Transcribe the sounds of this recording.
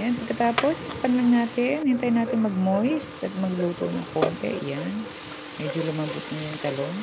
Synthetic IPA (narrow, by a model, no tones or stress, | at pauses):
janpɐɡ̚kɐt̪aːpo̞spɐk̚pɐnlɐŋnaːt̪ɪnhɪnt̪ajnaːt̪ɪŋmɐɡ̚mojsɐt̪̚mɐɡluːt̪o̰nɐŋko̰ːnt̪ɛ̰ʔjan | mɛːd͡ʒolʊmɐbʊt̪̚ŋɐjʊŋt̪ɐloŋ